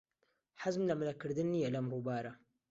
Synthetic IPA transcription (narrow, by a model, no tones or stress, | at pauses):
ħazmlamlakəɾd̪ənːijalamɾubaːɾa